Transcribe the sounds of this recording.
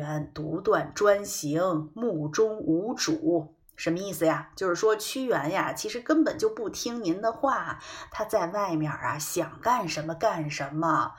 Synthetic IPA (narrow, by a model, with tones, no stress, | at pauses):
ɛ˧˥nt̪u˧˥t̪wa˨˩nʈ͡ʂwa˥nɕi˧˥ŋmu˥˩ʈ͡ʂʊ˥ŋu˧˥ʈ͡ʂu˨˩˦ | ʂə˧˥nmə˧i˥˩sɹ̩˩ja˩t͡ɕjo˥˧ʊʂɻ̩˥˩ʂwɔ˥t͡ɕʰy˥ɥɛ˧˥nja˥˧t͡ɕʰi˧˥ʂɻ̩˧˥kə˥npə˨˩nt͡ɕjo˥˧ʊpu˥˩t̪ʰi˥ŋni˧˥nd̪ə˧xwa˥˩t̪ʰa˥t͡sa˥˧ɪʋa˥˩ɪmjɑ̰˨˩ɐ̰˦ɕjɑ˨˩ŋka˥˩nʂə˧˥nmə˧ka˥˩nʂə˧˥nmə˧